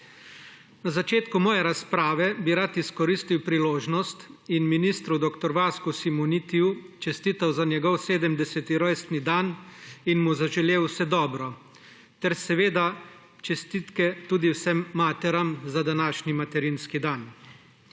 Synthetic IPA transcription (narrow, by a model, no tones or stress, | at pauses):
nazat͡ʃeːt̪kumɔːjɛɾaspɾaːʋɛbiɾat̪iskɔɾist̪iwpɾiloːʒnɔst̪inminiːst̪ɾud̪ɔkt̪ɔɾʋaːskusimunit̪iu | t͡ʃɛst̪iːt̪awzanjɛɡɔwseːd̪əmd̪ɛsɛt̪iɾɔjst̪nid̪aninmuzaʒɛleːwsɛd̪ɔːbɾɔ | t̪ɛɾsɛʋeːd̪a | t͡ʃɛst̪iːt̪kɛt̪uːd̪iwsɛmːaːt̪ɛɾamzad̪anaːʃnimat̪ɛɾinskid̪aːn